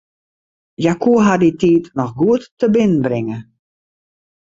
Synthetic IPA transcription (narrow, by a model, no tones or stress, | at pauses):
jakuəɦaditiːtnɔxɡuətːəbɪnənbrɪŋə